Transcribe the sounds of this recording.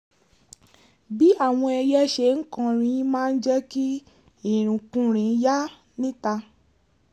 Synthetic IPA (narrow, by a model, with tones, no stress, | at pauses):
bi˦a˦˨w̃ɔ̃˧ɛ˧jɛ˦ʃe˨ŋ̩˦kã˦˧ɾ̃ĩ˧jĩ˦mãː˦˧n̩˦d͡ʒɛ˦ki˦ | i˨ɾ̃ũ˨kũ˦ɾ̃ĩ˨˦ja˦ | nĩ˦ta˧